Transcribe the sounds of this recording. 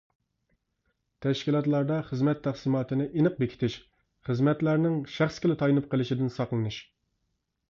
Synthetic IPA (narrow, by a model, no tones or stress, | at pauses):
t̪ʰɛʃkʲilˠɑt̪lˠɑɾd̪ɑχəzmɛt̪ʰːæχsɨmɑːt̪ʰɨnɨʔinɨq̚bekʲi̥t̪ʰɪʃ | χəzmɛt̪læɾnɪŋʃæχskʲɪlɪt̪ʰɑjnɨp̚qʰəlˠɪʃid̪ɪnsɑqlˠɨnuʃ